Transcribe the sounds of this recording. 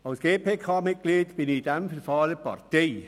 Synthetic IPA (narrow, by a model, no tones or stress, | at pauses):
ɑwsɡ̥eːpʰeːkʰaːmɪt̚ɡ̥liːdb̥ɪnid̥ɛmfɪrfɑːləpa̰rteː